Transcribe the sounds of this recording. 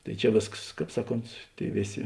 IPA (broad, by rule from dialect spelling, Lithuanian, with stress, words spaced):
tɐɪ ˈt͡ʃʲɛ ˈʋʲeːskɐs ˈkɑːp ˈsɑːˌkoːnt ˈtʲeːɪ ˈʋʲeːˌsʲeː